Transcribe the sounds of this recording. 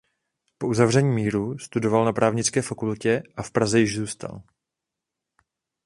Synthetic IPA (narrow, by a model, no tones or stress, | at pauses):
po̞uzavr̝ɛɲiːmiːɾust̪udo̞valnapɾaːvɲɪt͡skɛːfakulcɛʔafpɾazɛjɪʒzuːst̪a̰l